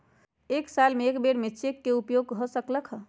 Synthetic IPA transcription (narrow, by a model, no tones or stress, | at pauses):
eksalmeːkbeɽmet͡ʃekːeupjoɡɦɔsəkləkʰ